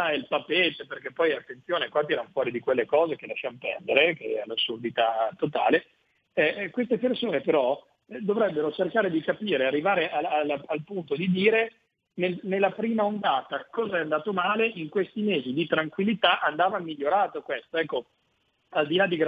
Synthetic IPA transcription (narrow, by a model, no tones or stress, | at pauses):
ɛlpapːeːt̪eperk̟epːɔjat̪ːent̪sjoːnekwat̪̬iɛɾanfwɔːɾid̪ikwelːekɔːzekelaʃːamopɛ̰rd̪eɾekḛɛlasːurd̪it̪at̪ːot̪a̰ːle | ɛkwest̪epersoːnepeɾɔ | ɛd̪ovɾɛbːeɾot͡ʃerkaːɾed̪ikapiːɾearːivaːɾeʔaalalpunt̪od̪id̪iːɾe | nelnelːapɾiːmaond̪aːt̪akɔːzaɛand̪aːt̪omaːleʔiŋkwest̪imeːzid̪it̪ɾaŋkwilːit̪aʔand̪aːvamiʎːoɾaːt̪okwest̪oɛkːo | ald̪ilad̪ːiɡ